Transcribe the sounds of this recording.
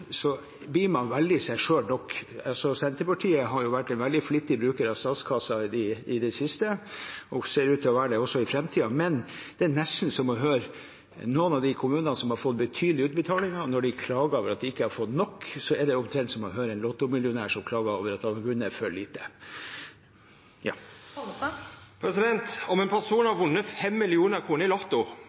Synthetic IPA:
sɔ | biːmɑnʋɛld̪ɪsæɪʂøːlnɔkːɑlsɔsɛnt̪əɾpɑʈʰiːəɦɑɾjʊʋæʈːɛɪnʋɛld̪ɪflɪt̪ːɪbɾʉːkəɾɑʋst̪ɑːt̪skʰɑsɑd̪ɪɪd̪ɛsɪst̪əɔseːɾʉːt̪ʰːɪɔʋæːəɖɛɔsːɔɪfɾɛmt̪ʰiːɑmɛnd̪̥ɛːnɛst̪n̩sɔmɔɦøːɾ | nuːənɑʋd̪ɪkʰʊmʉːnɑnəsɔmhɑɾfɔt̪ːbət̪ʰyːd̪lɪʉːt̪bət̪ʰɑːlɪŋɑnɔɖɪkʰlɑːɡəɾoːʋəɾɑt̪̚d̪ɪɪkːəhɑɾfɔt̪nɔkːsɔɛɖɛɔmt̪ʰɾɛnt̪sɔmɔɦøːɾəæɛnlɔt̪ːʊmɪljʊnæːʂɔmkʰlɑːɡɑoːʋəɾɑt̪ɑlɑɡʉːnəɛfœɭiːt̪ə | jɑ̰ː | pʰɾɛsɪd̪ɛnt̪ɔmɛnpʰæsuːnɑʋʊnːəfɛmːɪlɪuːnəɾkʰɾuːnəɪlɔt̪ːʊ

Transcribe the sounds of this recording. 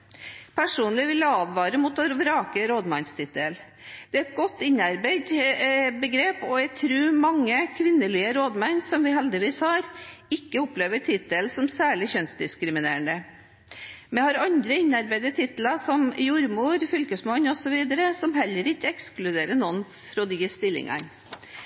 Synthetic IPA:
pʰæʂuːnlɪʋɪljɛɑːd̪ʋɑːɾəmʊt̪ʋoɾʋɾɑːkəɾoːd̪mɑnst̪ʰɪt̪əl | d̪̥ɛæɛt̪̚ɡɔt̪ːɪnɑɾbæɪd̪bəɡɾeːpɔæɡt̪ʰɾʉːmɑŋːəkʰʋɪnːəliːəɾoːd̪mɑnsɔmʋɪɦɛld̪ɪʋiːshɑːɾɪkːəɔpleːʋəʈʰɪt̪ːəlsɔmsæːɭɪçœnsd̪ɪskɾɪmɪneːəɳd̪ə | mɛhɑɾɑnd̪ɾəɪnːɑɾbæɪd̪ət̪ʰɪt̪l̩ɑsɔmjʊɾmuːɾfʏlkəsmɑnːɔsɔʋiːd̪əɾəsɔmɦɛlːəɾɪkːəɛksklʉd̪eːɾəɳɔn | fɾɔd̪ɪəst̪ɪlːɪ̰ŋɑ̰n

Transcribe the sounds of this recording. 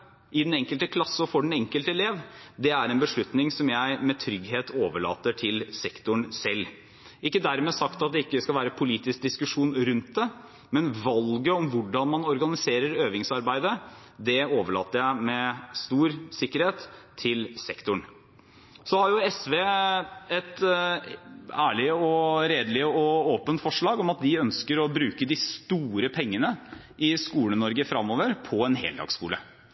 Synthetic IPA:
ʔɪd̪ɛnɛŋkəlt̪əkʰlɑsːɔfɔɖɛn̩ɛŋkəlt̪əɛleːʋd̪ɛæɾɛnbəʂɭʉt̪nɪŋsɔmjæɪmɛt̪ʰɾʏɡɦeːt̪ʰoːʋəɭɑ̰ːt̪əʈʰɪlsɛkt̪ʊɳsɛlː | ɪkːəd̪æɾmeːsɑkt̪ɑt̪̚d̪ɛɪkːəskɑlʋæːɾəpʰʊliːt̪ɪsk̚d̪ɪskʉʂuːnɾʉnt̪̚d̪ɛ | mɛnʋɑlɡəɔmʋʊɖɑnmɑnɔɾɡɑnɪseːɾəɾøːʋɪŋsɑɾbæɪd̪ə | d̪ɛoːʋəɭɑ̰ːt̪ːəjæɪmɛst̪uːɾsɪkːəɾheːt̪ʰːɪlsɛkt̪ʊɳ | sɔhɑɾjʊɛsʋeːɛt̪ | æːɭɪəɔɾeːd̪əlɪəɔoːpənt̪fɔʂɭɑːɡɔmɑt̪̚d̪ɪœnskəɾɔbɾʉːkəd̪ɪst̪uːɾəpʰɛŋːənə | ʔɪskuːlənɔɾɡəfɾɑmːoːʋəɾpʰɔɛnɦḛːld̪ɑ̰ːɡskṵːlə̰

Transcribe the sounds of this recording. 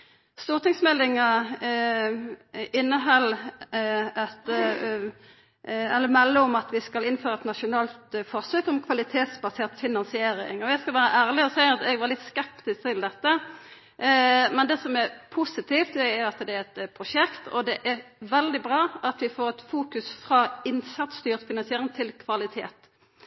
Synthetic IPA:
st̪uːʁt̪ɪŋsmɛlːɪŋə | ɪnːəɦɑlː | ɛt̪ | ɛlːəmɛlːəɔmɑt̪ʋɪskɑlɪnføːʁəɛt̪nɑʂʊnɑːlt̪fɔʁsøːkɔmkʰʋɑlɪt̪ʰeːt̪sbɑseːʁt̪fɪnɑnsɪeːɾɪ̰ŋɔjæɪskɑlʋæːɾəʔæːʁlɪɔsæɪəɑt̪ɛɡʋɑʁlɪt̪skɛpt̪ɪst̪ʰɪld̪ɛt̪ːə | mɛnd̪ɛːsɔmɛɾpʰʊsɪt̪ʰɪːft̪d̪ɛæɾɑt̪d̪ɛæɾɛt̪pʰʁʊʂɛkt̪ɔ̰d̪ɛʔɛɾʋɛld̪ɪbʁɑːɑt̪ʋɪfoːɾɛt̪fuːkʉsfʁɑːɪnsɑt̪st̪yːʁt̪fɪnɑnsɪeːɾɪŋt̪ʰɪlkʰʋɑlɪt̪ʰḛːt̪

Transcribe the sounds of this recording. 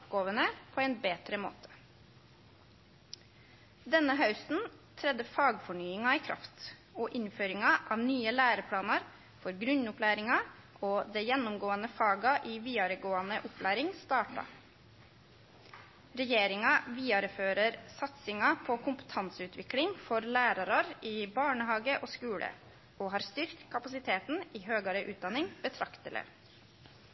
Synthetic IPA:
ʊpɡoːʋənəpʰɔːɛːnbeːt̪ɾəmo̰ːt̪ʰə̥ | d̪ɛnːəɦɑʉsn̩t̪ʰɾɛd̪əfɑːɡfɔɳyːɪŋɑiːkʰɾʔɑ̰ft̪ɔːʔɪnføːɾɪŋɑʔɑːʋnyːəlæːɾəpʰlɑːnɑɾ | fɔɾɡɾʉnʊpʰlæːɾɪŋɑ | ʔoːd̪ɛjɛnːʊmɡoːənəfɑːɡɑʔiːʋiːɑɾəɡoːɑnəʔʊpʰlæːɾɪŋst̪ɑːʈɑ̰ | ɾɛjeːɾɪŋɑʋiːɑɾføːɾəɾsɑt̪sɪŋɑpʰɔkʰʊmpə̥t̪ʰɑnsəʉːt̪ʋɪklɪŋfɔɾlæːɾɑɾɑɾiːbɑːɳəɦɑːɡəʔoːskʉːlʔə̰ | oːɦɑːɾst̪ʏɾkt̪kʰɑpɑsɪt̪ʰeːt̪niːɦøːɡɑɾəʔʉːt̪̚d̪ɑnɪŋb̥ət̪ʰɾɑkt̪ələ̰

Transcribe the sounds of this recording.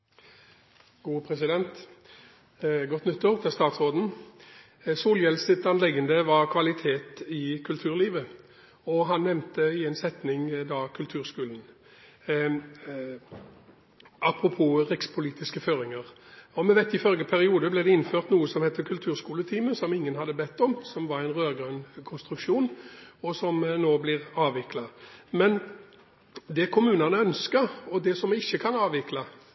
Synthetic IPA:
ɡ̥uːpʰɾɛsɪd̪ɛnt̪ | ɡɔt̪ːnʏt̪ːoːʁt̪ʰɪlst̪ɑːt̪sʁoːd̪n̩ | suːljɛlsɪt̪ɑnlɛɡənd̪əʋɑʁkʰʋɑlɪt̪ʰeːt̪ɪkʰʉlt̪ʰʉːʁliːʋə | ɔɦɑnnɛmnt̪əɪɛɪnsɛt̪nɪŋd̪ɑkʰʉlt̪ʰʉːʁskʉːln̩ | ʔɑpʁʊpʰuːʁɪkspʰʊliːt̪ɪskəføːɾɪŋəʁɔmɛʋæɪt̪ɪfœlɡəpʰæɾɪuːd̪əblɛd̪ɛɪnːføːʁt̪nuːəsɔmhɛt̪ːəkʰʉlt̪ʰʉːʁskuːlət̪ʰiːməsɔmɪŋːənhɑd̪ːəbɛt̪ːɔmsɔmʋɑʁæɪnʁøːʁɡʁœnkʰʊnst̪ɾʉkʂuːnɔsɔmnoːblɪʁɑːʋɪklɑmɛn | d̪ɛkʰʊmʉːnɑnəœnskəʁɔd̪ɛsɔmɪçːəkʰɑnɑːʋɪklɑ

